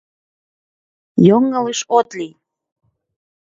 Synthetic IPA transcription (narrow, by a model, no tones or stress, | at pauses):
joŋːələʃot̪li